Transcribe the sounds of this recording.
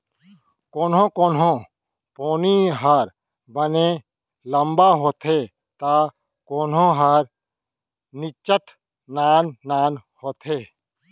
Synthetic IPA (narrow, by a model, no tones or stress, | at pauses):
koːnõkoːnɦõ | poːniɦaːɾ | bəne | ləmbaɦoːt̪ɦeː | t̪aː | koːnɦõɦaːɾ | nɪt͡ʃəʈʰ | naːnːaːnhoːt̪ʰɦeː